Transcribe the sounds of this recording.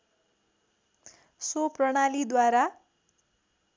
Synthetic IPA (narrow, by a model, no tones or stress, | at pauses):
soprʌɽ̃alid̪waɾa